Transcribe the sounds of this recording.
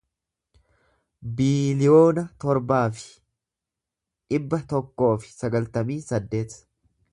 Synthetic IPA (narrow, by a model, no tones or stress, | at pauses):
biːlɪjo̞ːnɐt̪ɔɾbaːfɪ̥ | ɪbːɐt̪ɔkːo̞ːfɪ̥sɐɡɐlt̪ɐmiːsɐd̪ːe̞ːt̪